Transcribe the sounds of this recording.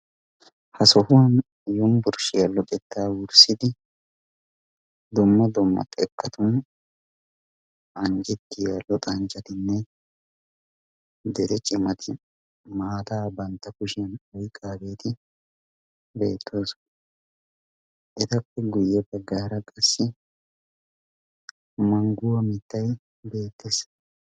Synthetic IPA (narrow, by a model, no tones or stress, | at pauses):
hɐsɔhʊwɐn | jʊmbʊɾʃɪjɐlːɔkʼɛt̪ːaːwʊɾsɪd̪ɪ | d̪ɔmːɐd̪ɔmːɐ̰t̪ʼɛkʼːɐt̪ʊn | ʔɐŋd͡ʒɛt̪ːɪjalːɔt̪ʼɐnt͡ʃʼɐt̪ɪnːɛ | d̪ɛɾɛt͡ʃʼɪmɐt̪ʰɪ | maːt̪aːbɐnt̪ːɐkʊʃɛnɔjkʼːaːbe̞ːt̪ɪ | be̞ːt̪ʰːoːs | ʔɛt̪ɐpːɛɡʊjːɛpɛɡaːɾɐkʼɐsːɪ | mɐŋɡʊwɐmɪt̪ːɐj | be̞ːt̪ːes